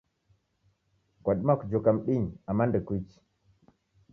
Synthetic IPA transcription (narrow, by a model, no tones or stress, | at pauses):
kwaɗmakd͡ʒokamɗiɲamːandəkut͡ʃi̥